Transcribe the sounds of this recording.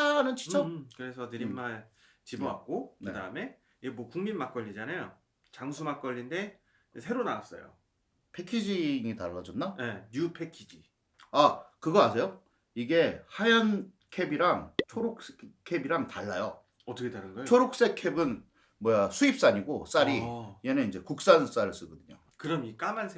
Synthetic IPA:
anɯnt͡ɕʰi̥t͡ɕʰʌkɯɾe̞sʰʌnɯɾimːaɭ | t͡ɕiboa̰k̚k͈onɯeda̰ɯme̞ | iɡemwʌkuŋminmak͈ʌʎːid͡ʑanajo | t͡ɕaŋsʰumak͈ʌʎːinde̞ | sʰe̞ɾonaas͈ʌ̰jo̰ | pʰe̞kʰid͡ʑiŋitaɭːad͡ʑʌnːajeɲupʰe̞kʰid͡ʑi | akɯɡʌasʰe̞jo | iɡe̞hajʌn | kʰe̞biɾaŋt͡ɕʰoɾok̚sekʰe̞biɾaŋtaɭːajo | ʌt͈ʌkʰetaɾɯnɡʌt͡ɕʰoɾok̚s͈e̞kʰe̞bɯn | mʌjasʰuip̚s͈aɲiɡos͈aɾiienɯnind͡ʑe̞kuk̚s͈ans͈aɾɯɭs͈ɯɡʌdɯɲo̰ | kɯɾʌmik͈amansʰ

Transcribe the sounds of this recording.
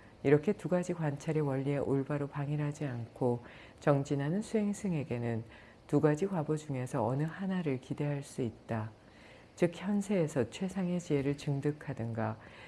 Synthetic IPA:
iɾʌkʰe̞tuɡad͡ʑikwant͡ɕʰaɾewʌʎːie̞ʔoɭbaɾopaŋiɾɦad͡ʑiankʰo | t͡ɕʌŋd͡ʑinɦanɯnsʰuɦe̞ŋsʰɯŋe̞ɡe̞nɯn | tuɡad͡ʑikwabod͡ʑuŋe̞sʰʌʌnɯhanaɾɯɭkide̞ɦaɭs͈uit̚t͈a | t͡ɕɯk̚çjʌnsʰe̞ːsʰʌt͡ɕʰwe̞sʰaŋe̞t͡ɕie̞ɾɯɭt͡ɕɯŋdɯkʰadɯnɡa

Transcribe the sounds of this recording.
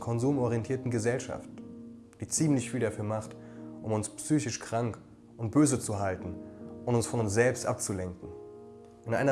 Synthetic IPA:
kʰɔnzuːmɔʁiɛntʰiːɐtn̩ɡəzɛlʃa̰ft | d̥iːt͡siːmlɪçfiːldafyːɐmaχtʔʊmʊnspsyːçɪʃkʁ̥aŋk | ʔʊnt̚b̥øːzət͡suɦaltn̩ʔʊntʊnsfɔnʊnsz̥ɛlpstʔa̰p̚t͡sulɛŋkŋ̩ | ʔɪnʔa̰ɪnɐ

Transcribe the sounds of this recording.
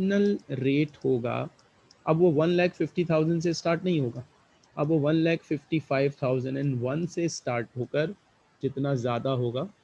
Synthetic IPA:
nəlɾeːʈhoːɡa̰ː | ɐbʋoʋɐnlɛːkfɪfʈit̪ʰaːʊzə̃ɳɖs̬esʈaːɾʈnɐɦĩɦoːɡaː | ɐbʋoʋɐnlɛːkfɪfʈifaːɪʋt̪ʰaːʊzə̃ɳɖɛ̃ɳɖʋɐnsesʈaːɾʈɦoːkəɾ | d͡ʒɪt̪nazjaːd̪aɦoːɡaː

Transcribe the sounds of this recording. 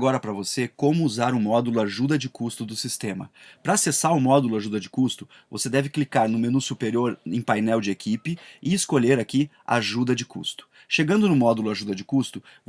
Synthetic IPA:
ɡɔɾɐpɾɐvosekõmʊuzaɾʊmɔd̪ulʊaʒud̪ɐd͡ʒɪkust̪ʊd̪ʊsist̪ẽmɐ̰pɾɐasesaɾʊmɔd̪ulʊaʒud̪ɐd͡ʒɪkust̪ʊ̥ | vo̰sed̪ɛvɪklikaɾnʊ̃menusupeɾioɾẽpajnɛwd͡ʒɪekʰipɪɪɪskoʎeɾaki | a̰ʒud̪ɐd͡ʒɪkṵst̪ʊ̥ | ʃeɡɐ̃nd̪ʊnʊmɔd̪ulʊaʒud̪ɐd͡ʒɪkust̪ʊv

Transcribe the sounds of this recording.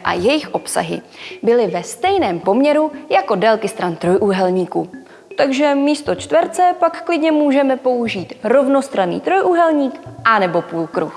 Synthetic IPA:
ʔa̰jɛjɪxʔo̞psa̰ɦɪ̰ | bɪlɪvɛst̪ɛjnɛːmpo̞mɲɛɾujako̞dɛlkɪst̪ɾant̪ɾo̞jʔuɦɛlɲiːkuː | t̪aɡʒɛmiːst̪o̞t͡ʃt̪vɛɾt͡sɛpakːlɪdɲɛmuːʒɛmɛpo̞uʒiːt̪ɾo̞vno̞st̪ɾanḭːt̪ɾo̞jʔuɦɛlɲiːkʔanɛbo̞puːlkɾux

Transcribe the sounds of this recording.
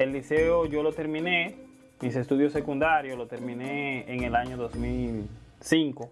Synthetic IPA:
elːiseoʝolot̪e̞ɾmĩne | misest̪uðjosekund̪aɾjolot̪eɾmĩneːŋelaɲoðosmil | siŋko

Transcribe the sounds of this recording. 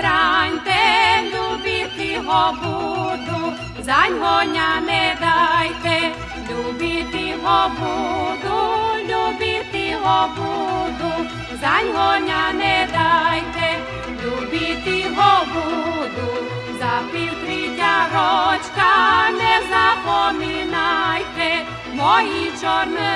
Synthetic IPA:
ɾaɲt̪ɛʎʲubit̪iɦobud̪u | zaɲmoɲanɛd̪ajt̪ɛ | ʎʲubit̪iɦobud̪ulubit̪iɦobud̪u | zaɲvɔɲanɛd̪ajt̪ɛ | ʎʲubit̪iɦɔbud̪u | zapilk̪ɾiɲaɾɔt͡ʃkanɛzapɔminajt̪ɛ | mɔjit͡ʃɔɾn

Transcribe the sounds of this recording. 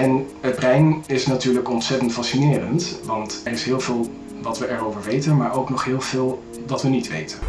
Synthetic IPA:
ɛn | ɦəd̚brɛjnɪsnatyːɹləkɔntsɛtəntfɑsinɪːrəntʋɑntɛrɪsɦɪːlˠvɪːlˠ | ʋɑtʋəʔɛɹowvəɹʋejtənmaːɹowknɔχɦɪːlˠv̥ɪːlˠ | ʋɑtʋənitʋḛjtən

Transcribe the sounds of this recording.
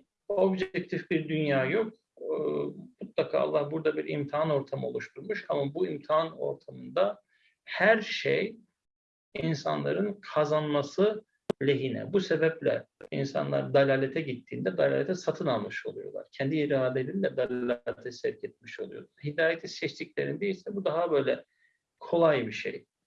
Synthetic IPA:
obʒɛct̪ʰifbiɾd̪ynjaːjo̞k̚ː | mut̪lˠakʰa̰ːa̰lˠːahbuɾd̪abiɾḭmt̪ʰiano̞ɾt̪ʰamo̞̰lˠuʃt̪ʰuɾmuʃamabuimt̪ʰiano̞̰ɾt̪ʰamɯnd̪a | hæɾʃḛj | insa̰nlˠa̰ɾɯnkʰazanmasɯ | lʲe̞ɦinɛ̰buse̞bɛplʲɛ̰ḭnsa̰nlˠa̰ɾd̪alʲaːlʲet̪ʰɛɟit̪ːiːnd̪ɛd̪alʲa̰ːlʲet̪ʰɛsat̪ʰɯnalˠmɯʃo̞̰lˠujo̞̰lˠa̰ɾ̥cʰɛnd̪iːɾaːd̪elʲinlɛd̪allʲaːt̪ʰɛsɛɾcʰɛt̪̚miʃo̞lˠujo̞̰lˠaɾhid̪aːjet̪ʰisɛt͡ʃt̪iclʲe̞ɾḭnd̪eilʲsɛbud̪aɦabø̞jlʲɛ | kʰo̞lˠajbiʃḛj

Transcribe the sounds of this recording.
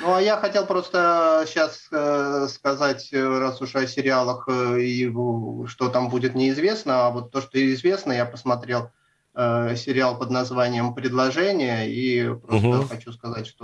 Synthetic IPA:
nuajaxɐtʲe̞lˠpɾo̞st̪əɕːasəskɐzatʲrasʊʂɐsʲɪɾʲɪalˠəxiʂt̪ot̪ambudʲɪt̪nʲɪɪzvʲe̞snəavo̞t̪ːo̞ʂt̪o̞ɪɪzvʲe̞snəjapəsmɐt̪ɾʲe̞lˠ | əsʲɪɾʲɪalˠpəd̪nɐzvanʲɪjəmpɾʲɪd̪lˠɐʐɛnʲɪjəipɾost̪əxɐt͡ɕuskɐzatʲʂt̪o

